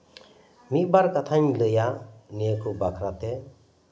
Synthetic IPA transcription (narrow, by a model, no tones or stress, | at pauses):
mik̚baɾkat̪ʰaɲlɯjanəkʰɯbakʰɾat̪e